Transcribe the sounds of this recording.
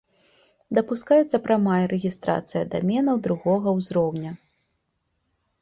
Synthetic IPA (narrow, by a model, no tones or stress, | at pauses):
d̪ɐpuskajɛt̪sːɐpɾɐmajɐɾɛɣʲist̪ɾa̰t̪sɨjɐd̪amʲɛnɐwd̪ɾuɣɔɣɐwzɾɔwnʲɐ